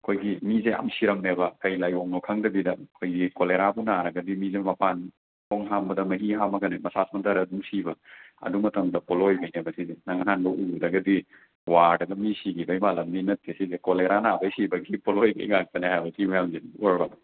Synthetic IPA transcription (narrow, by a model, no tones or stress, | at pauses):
kʰojɡimizea̰msiɾɐmnebɐkɐjlajoŋnokʰaŋdɐbidɐkʰojɡikoleɾabunaɾɐɡɐdimizemɐpan | ɔŋɦambɐdɐmɐɦiɦamɐɡɐnemɐsasmɐntɐɾɐdumsibɐɐ̰dumɐtɐmdɐpolojbɐjnebɐsizenaŋananbɐʔudɐɡɐdi | waɾdɐɡɐmisiɡibɐjmalɐmninɐtːiɐsizekoleɾanabɐjsibɐɡipolojbḛjŋak̚tɐnehajbɐsimɐjamzenoɾba